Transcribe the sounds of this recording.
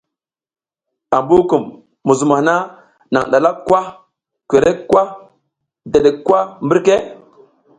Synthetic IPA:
a˨mbu˦ku˨mː | u˨zu˨ma˨hna˦ | na̰˨ŋɗa˨la˦kːwa˦ | kʷe˨ɾe˦kːwa˦ | de˨ɗe˨kːwa˦mbi˦ɾke˦

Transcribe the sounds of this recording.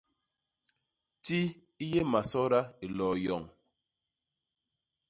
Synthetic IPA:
ti˦ | i˦je˦ma˨sɔ˦ɾa˦i˨lɔː˨jɔ˨ŋ

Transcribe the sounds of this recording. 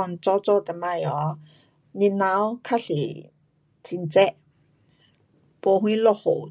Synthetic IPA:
ɔ˧˨nt͡sɔ˧˦t͡sɔ˧˨t̪ɛ˧˨ma˧jɔ˨˦ | ni˧na˧˦wkʰa˥ɬi˨ | t͡sʰi˧nt͡sɛ˦ʔ | po˧hwĩ˦lɔ˧ho̰˨˩w

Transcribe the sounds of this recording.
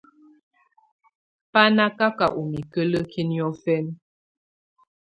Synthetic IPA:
pa˦na˦ka˦ka˨ʔu˨mi˨kə˦lə˦kʰi˦njɔ˦fɛ˦n

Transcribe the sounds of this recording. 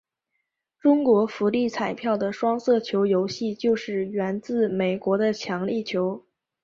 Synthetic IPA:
ʈ͡ʂʊ˥ŋkwɔ˧˥fu˧˥li˥˩t͡sʰa˨˩ɪpʰjɑ˥˩ʊd̪ə˩ʂwɑ˥ŋsɤ˥˩t͡ɕʰjo˧˥ʊjo˧˥ʊɕi˥˧t͡ɕjo˥˧ʊʂɻ̩˥˩ɥɛ˧˥nt͡sɹ̩˥˩me˨˩ɪkwɔ˧˥d̪ə˧t͡ɕʰjɑ˧˥ŋli˥˩t͡ɕʰjo˧˥ʊ

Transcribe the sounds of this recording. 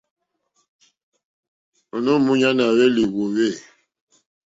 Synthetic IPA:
o˨nu˦˨mu˦ɲa˦na˨we˦li˨wo˨we˦˨

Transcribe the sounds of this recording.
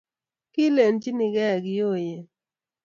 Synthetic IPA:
kɪ˦le˨nd͡ʒi˦nɪ˨ɡɛ˦˨ɡɪ˨jo˦˨jɛ˨

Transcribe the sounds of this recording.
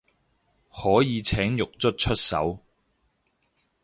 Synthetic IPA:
hɔː˨˥jiː˨˧t͡sʰɛː˨˥ŋjʊ˨k̚t͡sɵ˥t̚t͡ʃʰɵ˥t̚sɐ̰˨˥w

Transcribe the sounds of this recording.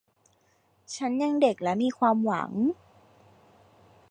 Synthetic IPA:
t͡ɕʰa˦˥nja˧ŋde˨˩k̚lɛ˦˥miː˧kʰwaː˧mwa̰˩˦ŋ

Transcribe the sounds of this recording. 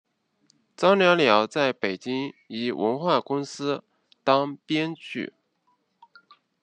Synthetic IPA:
t͡sɑ˥ʊljɑ˧˥ʊljɑ˧˥ʊt͡sa˥˩ɪpe˨˩ɪt͡ɕi˥ŋi˨˩wʔə̰˧˥nxwa˥˩kʊ˥ŋsɹ̩˥ | t̪ɑ˥ŋpjɛ˥nt͡ɕʰy̰˥˩

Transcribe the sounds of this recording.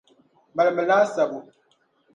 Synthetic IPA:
ma˨lmə˨laː˦sa˨bu˨

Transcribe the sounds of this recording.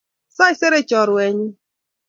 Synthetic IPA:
sa˦i˦se˦ɾe˦t͡ʃɔ˨ɾʊ˨e˨ɲɪ˦

